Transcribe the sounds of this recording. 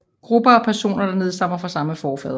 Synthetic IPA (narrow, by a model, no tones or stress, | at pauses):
ɡ̥ʁubɐɒ̽pʰæɐso̝̰ːnɐd̥ɑ̈ne̝ð̞ˠsɑ̈m̰ɐfɑ̈sɑ̈məfɒːfɛ̰ːðˠ